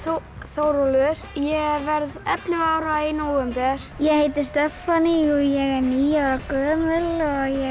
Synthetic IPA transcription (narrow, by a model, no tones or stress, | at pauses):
θowɾɔlʏɾ̥jɛvɛɾðɛt̪lʏvaːwɾainowɛmpɛɾ̥jɛheːjt̪ɪɾ̥st̪ɛfaniɔjɛɣɛɾniːjawɾakœːmʏlɔjɛ